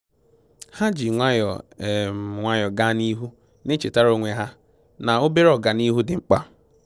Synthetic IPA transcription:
ha˦d͡ʒi˨ŋʷa˦jɔ̰˨m˨ŋʷa˦jɔ˨ɡa˦ni˦ɦu˦ | ne˦t͡ʃe˨ta˦ɾo˦ŋʷe˨ɦa˦ | na˨o˦be˦ɾɔ˨ɡa˨ni˦ɦu˦dɪ˨ŋ͡m̩˦k͡pa˦

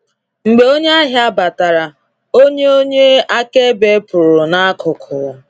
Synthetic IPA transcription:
ŋ͡m̩˨ɡ͡be˨o˦ɲe˦a˦ɦɪ˦a˦ba˨ta˨ɾa˨ | o˦ɲe˦o˦ɲe˦a˦ke˦be˦pʊ˨ɾʊ˨na˦kʰʊ˨kʰʊ˨

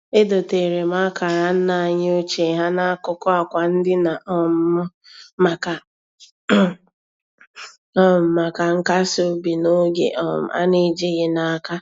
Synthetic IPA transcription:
e˦do˨te˨ɾe˨ma˦ka˨ɾa˦n̩˦na˨ɲ˦o˦t͡ʃe˨ɦa˦na˦kʊ˦kɔ˦a˨kʷa˨n̩˦dɪ˦na˨ʔɔ˦m˦ | ma˨ka˨˦ | ɔ˦˨ma˨ka˨ŋ̩˦ka˦so˦bi˨no˦ɡḛ˨ʔɔ̰˨a̰˦ni˦d͡ʒe˦ɣe˨na˨a˨ka˦

